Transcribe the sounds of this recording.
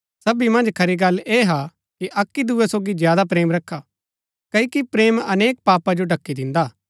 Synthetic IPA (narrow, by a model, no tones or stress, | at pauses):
sɐbimɐ̃nd͡ʒkʰɐɾiɡɐlːeːɦa | kiʔɐkːid̪uesoːɡizjaːd̪ap̬ɾeːmɾɐkʰːa | kɐikipɾeːmɐneːk̚paːpad͡ʒoɖɐkːid̪ɪ̃nd̪aː